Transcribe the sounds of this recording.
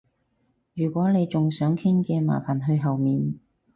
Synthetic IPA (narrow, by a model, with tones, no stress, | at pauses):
jyː˨˩kʷɔː˨˥ne˨˧jt͡sʊ˨ŋsœː˨˥ŋkʰɪ˥ŋkɛː˧ma̰ː˨˩faː˨˩nɦɵ˧ɥɦɐ˨wmiː˨n